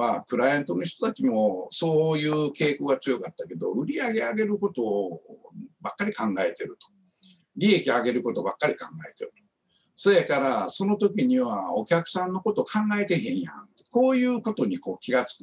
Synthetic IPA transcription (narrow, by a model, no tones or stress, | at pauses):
akɯ̟ɾajãnt̪onoçi̥t̪ot̪at͡ɕimo̞so̞ːjɯ̟ːke̞ːkoɡat͡sɨjo̞kat̪ːake̞d̪o̞̰ɯ̟ɾʲiaɡe̞aɡe̞ɾɯ̟ko̞t̪o̞ː | bakːaɾʲikãŋɡae̞t̪e̞ɾɯ̟t̪o̥ | ɾʲie̞kʲiaɡe̞ɾɯ̟ko̞t̪o̞bakːaɾʲikãŋɡae̞t̪e̞ɾɯ̟t̪o̥ | sojekaɾaso̞no̞t̪o̞k̬ʲiɲ̟iβaokʲakɯ̟̥sãnːo̞ko̞t̪o̞kʰãŋɡae̞t̪e̞ɦẽ̞ɰ̃jã̰nt̪eko̞ːjɯ̟ːko̞t̪o̞ɲ̟iko̞ːkʲiɡat͡sɨ̥k